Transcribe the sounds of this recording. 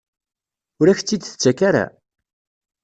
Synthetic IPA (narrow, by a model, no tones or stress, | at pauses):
ʊɾæçt͡sːid̪θt͡sːækaɾa̰